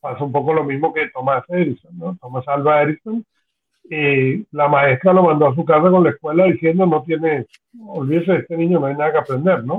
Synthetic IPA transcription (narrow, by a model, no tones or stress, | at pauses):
pasoumpo̞ko̞lo̞mĩzmo̞ke̞t̪omaseɾisonːot̪o̞masalβaeɾisoŋ | elamae̞st̪ɾalomãnd̪o̞as̬ukas̬ako̞nlaeskwe̞laðiθje̞nd̪ono̞t̪je̞ne | olβiðeseest̪e̞nĩɲonoajnaðakeapɾe̞nd̪e̞ɾno